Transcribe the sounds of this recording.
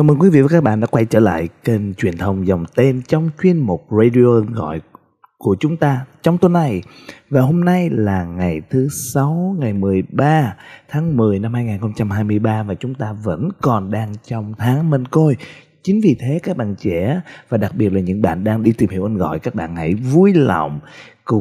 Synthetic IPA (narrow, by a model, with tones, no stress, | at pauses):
kaː˧˩məː˧nkwi˨˦vḭ˧˨və˨˦kaː˦˥ɓa̰ː˧˨nɗa̰ː˧˦˥kwa˧jt͡ɕəː˧˩la̰ː˧˨jkə˨˧˩ŋt͡ɕwi˨˩ənt̪ʰə˨˩wŋ͡mza˨˩wŋ͡mt̪e˧nt͡ɕɔ˧wŋ͡mt͡ɕwi˧ənmo˨˩t̚zə˧ɗi˧o˧ʔə˧nɣɔ̰˧˨j | ku˧˩ət͡ɕʊ˨˦ŋ͡mt̪aː˧t͡ɕɔ˧wŋ͡mt̪o˨˦na˨˧˩jvaː˨˩ho˧mna˧jlaː˨˩ŋa˨˩jt̪ʰɨ˨˦sa˨˦wŋa˨˩jmɨ˨˩əjɓaː˧t̪ʰaː˨˦ŋmɨ˨˩əjna˧mhaː˧jŋaː˨˩xə˧ŋ͡mt͡ɕa˧mhaː˧jmɨ˧əjɓaː˧vaː˨˩t͡ɕʊ˨˦ŋ͡mt̪aː˧və̰˧˥nkɔ˨˩nɗaː˧ŋt͡ɕɔ˧wŋ͡mt̪ʰaː˨˦ŋme˧nko˧j | t͡ɕï˨˦ŋ̟vi˨˩t̪ʰe˨˦kaː˦˥k̚ɓa̰ː˧˨nt͡ɕɛ˧˩˥vaː˨˩ɗa˨˩k̚ɓi˨˩ət̚la˨˩ɲɨ̰˧˥ŋɓa̰ː˧˨nɗaː˧ŋɗi˧t̪i˨˩mhi˧əwʔə˧nɣɔ̰˧˨jkaː˦˥k̚ɓa̰ː˧˨nhə̰˧˩jvu˧jlɔ̰˧˨wŋ͡mkʊ˧˩